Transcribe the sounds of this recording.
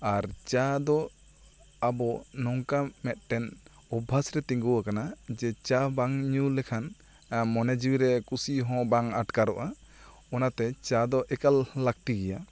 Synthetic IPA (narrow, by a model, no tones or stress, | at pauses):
aɾt͡ʃad̪ɔ | abɔnɔŋkamɛt̪̚ʈɛn | ɔbʱːasɾɛt̪iŋɡuwakanad͡ʒɛt͡ʃabaŋɲulɛkʰan | mɔnɛd͡ʒiwiɾɛkusiɦɔ̃baŋaʈkaɾɔʔa | ɔnat̪ɛt͡ʃad̪ɔʔɛkalːak̚ʈiɡɛja